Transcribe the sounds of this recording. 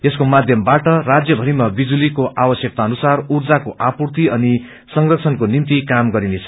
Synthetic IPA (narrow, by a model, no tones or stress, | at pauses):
eskomad̪ʱjʌmbaʈʌrad͡zjʌbʱʌɾimabid͡zulikoʔabʌsjʌk̚t̪aʌnusarurd͡zakoʔapurt̪iʌni | sʌŋrʌk̚sʰʌnkonimt̪ikamɡʌɾinet͡sʰʌ̥